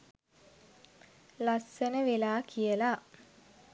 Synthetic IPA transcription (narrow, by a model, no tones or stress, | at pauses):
lasːənəʋelaːkʰijəla